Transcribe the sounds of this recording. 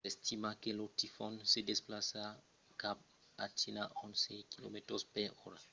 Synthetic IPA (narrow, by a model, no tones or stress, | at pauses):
estimakelotifonsedesplasa | kap̚ | atinaʔonsekilometɾospeɾoɾa